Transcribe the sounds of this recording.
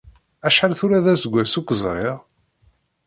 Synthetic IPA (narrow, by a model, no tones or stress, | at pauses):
æʃħalθʊɾæðæsəɡʷːæsukʷːəzˤɾˤɪʁ